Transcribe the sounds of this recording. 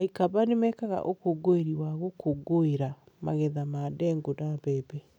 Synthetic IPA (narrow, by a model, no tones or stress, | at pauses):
ikaβanemɛkaɣa̰ʔokoɡoeɾiwaɣokoɡoeɾa | ma̰ɣɛðamadɛŋɡodambɛːbɛ